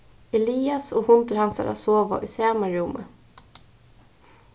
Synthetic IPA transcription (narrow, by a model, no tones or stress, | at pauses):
ɛliːɑsoːhʊnt̪əɾhɑnsɑ̰ɾɑ̰soːʋa̰ʔʉsemɑɾuːmʔə